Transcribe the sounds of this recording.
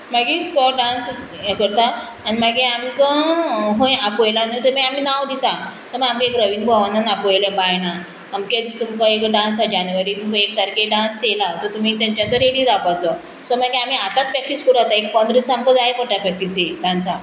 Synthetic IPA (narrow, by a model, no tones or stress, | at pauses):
maɡit̪ɔɖãns | kəɾt̪aː | nimaɡeamkãɦõjapojlanət̪əɾmaam̤iːnawd̪it̪asɔmaamkekɾəʋiːnbʱaʋanːənapojlebajnaː | mked̪ist̪əmkãekəɖãnsad͡ʑanʋaɾiːmũkəek̚t̪aɾkeɖãnst̪elat̪ɔɾt̪um̤iːt̪ãɲt͡ɕãnt̪əɾɦeɽiɾapat͡sɔ | sɔmaɡeam̤iat̪at̪̚pɾɛk̚ʈiskuɾat̪aekpə̃nd̪ɾisamkəd͡zajpəʈ̪apɾɛk̚ʈisiɖãnsa